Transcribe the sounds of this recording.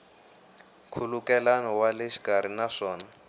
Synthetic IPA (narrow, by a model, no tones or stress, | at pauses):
kʰulukɛlanɔwaleʃi̥kaɾ̤inaʂɔːna